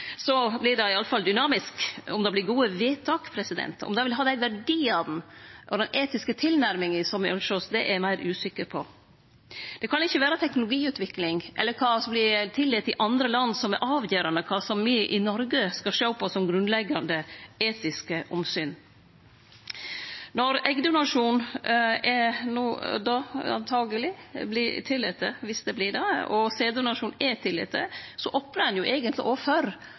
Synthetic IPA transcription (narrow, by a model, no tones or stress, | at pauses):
sɔblɪd̪ɑɪɑlːəfɑld̪ʏnɑːmɪskɔmd̪ɑblɪɾɡuːəʋeːt̪ʰɑːkpʰɾɛsɪd̪ɛ̰nt̪ɔ̰md̪ɑʋɪlɦɑːd̪æɪʋæɾɖiːɑd̪n̩ʔɔd̪ɛnʔeːt̪ɪskət̪ʰɪlnæɾmɪŋɪsɔmɔlʂɔsd̪ɛʔæɾmæɪɾʉːsɪkːəɾpʰɔ | d̪̥ɛkʰɑnɪçːəʋæːɾət̪ʰɛknʊlʊɡiːʉːt̪ʋɪklɪŋʔɛ̰lːəɾkʰɑːsɔmblɪt̪ʰɪlːɪt̪ɪʔɑnd̪ɾəlɑnːsɔmæɾʔɑːʋjøːɾɑnəkʰɑːsɔmʋɪʔɪnɔɾɡəskɑʂøːpʰɔsɔmɡɾʉnlɛɡːɑnd̪əeːt̪ɪskəʔɔmsyːn | nɔɾɛɡd̪ʊnɑʂuːnɛnuːd̪ɑɑ̰nt̪ʰɑːɡəlɪblɪt̪ʰɪlːɪt̪əʋɪsd̪ɛblɪd̪ɛɔseːd̪ʊnɑʂuːnɛt̪ʰɪlːɪ̰t̪ːə̰sɔʔɔpnəɾɑnjʊʔɛːɡənt̪lɪ̰ʔofœɾ